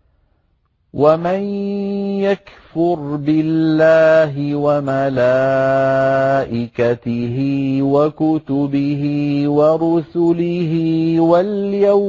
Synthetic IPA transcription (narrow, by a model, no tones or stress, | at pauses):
wʔamanjakfʊɾbɪlːaːɦɪwamala | ʔɪkat̪ɪɦɪwakʊt̪ʊbɪhɪwaɾʊsʊlɪhɪwaljaw